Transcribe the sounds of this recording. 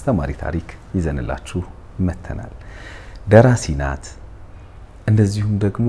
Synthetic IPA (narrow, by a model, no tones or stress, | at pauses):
ast̪ʰəmaɾit̪ʰa̰ɾikʰjɪzənɨlːa̰t͡ʃːɛh | mət̪ʰːəna̰ld̪əɾasina̰t̪ | ʔɨnd̪əzːihumd̪əɡmo